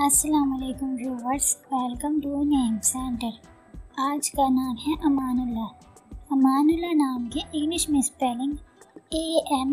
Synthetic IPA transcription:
ɐsːɐlaːmɐleːkʊmjoːʋəɾsʋɛːlkɐ̃mʈuːnẽːɪmsɛ̃ːɳʈəɾ | aːd͡ʒkanaːmɦɛʔɐmaːnʊlːa | ɐmaːnʊlːanaːmkeʔɪɡlɪʃmɪ̃spɛːlɪ̃ŋɡeːɛm

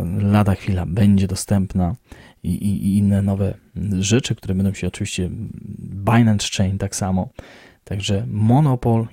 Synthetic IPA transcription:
lad̪axfʲilabɛɲd͡ʑɛd̪ɔst̪ɛmpna | iʔiʔiinːɛnɔvɛʐɛt͡ʂɘk̚t̪uɾɛbɛnd̪ɔ̃w̃ɕɛɔt͡ʂɨvʲiɕt͡ɕɛ | bajnanst͡ʂɛjnt̪aksamɔ | t̪aɡʐɛmɔnɔpɔl

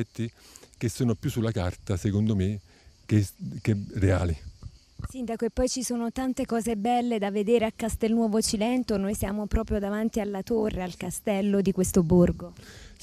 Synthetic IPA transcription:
ɛt̪ːikesːoːnopjusːulːakart̪asekond̪ome | kekerea̰ːli | sind̪akoepːɔjt͡ʃisoːnot̪ant̪ekɔːzebɛlːed̪avːed̪eːɾeakːast̪elnwɔːvot͡ʃilɛnt̪onojsja̰ːmopɾɔːpɾjod̪avant̪ialːat̪orːealkast̪ɛlːod̪ikwest̪oborɡo

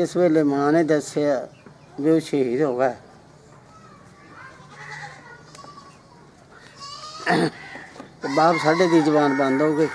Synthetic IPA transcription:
ɪsbeːleːmãːnẽːd̪əseaː | beʊʃʰeːɦiːt̪oːɡaːɛ | baːpsaːɖeːd̪iːzəbaːnbə̃nd̪ɦoːɡeː

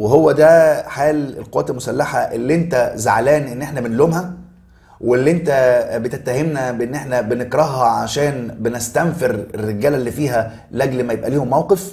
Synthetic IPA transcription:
weɦowːæd̪æħaːlḛlqowæːt̪elmʊsælːaħaʔelːiʔent̪æza̰ʕlæːnʔenːʔeħnæbenloːmhæ | welːiːʔent̪æbet̪et̪ːæɦemnæbeʔenːʔeħnæbenekɾˤɑhhɑʕaʃæːnbenest̪æmfeɾerːeɡæːlælːiːfiːɦæ | lʔæɡlmæjebʔæliːhomːæwqef

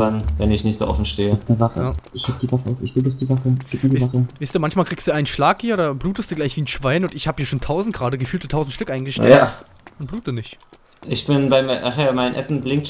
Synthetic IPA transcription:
anvɛnɪçnɪçtz̥o̰ːʔɔ̰fn̩ʃteːənəvafəjaʔɪçɡ̥ip̚d̥iːvafəaʊfɪçb̥əlusd̥iːvafəɡiːp̚miːɐdivafəviːstuːɐmançmaːlkʁiːkstd̥uːʔaɪnənʃlaːkhiːɐoːdɐbʁuːtəstd̥uːɡlaɪçv̥iːnʃv̥aɪnʊntɪçhaːbə̥hiːɐʃoːntʰaʊzn̩tɡ̥əʁaːdəɡəfyːltətʰaʊzn̩tʃtʏkʔaɪnɡəʃtːɛjaː | ʔʊnb̥ʁuːtdənɪçt | ʔɪçb̥ɪnbaɪmʔaχjaːbamaɪnənʔɛsn̩blɪŋkt

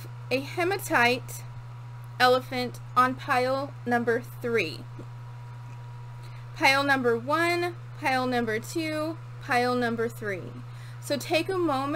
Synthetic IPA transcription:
ɨhɛ̃mɨtʰaɪɾ | ɛlˠəfɨ̃nt | n̩pʰaɪl̩ˠ | nʌ̃mbə˞θɹḭ | pʰaɪlˠnʌ̃mbə˞wʌ̃n | pʰaɪl̩ˠnʌ̃mbə˞tʰʉ | pʰaɪl̩ˠnʌ̃mbə˞θɹḭ | soʊtʰeɪkəmõʊ̃m

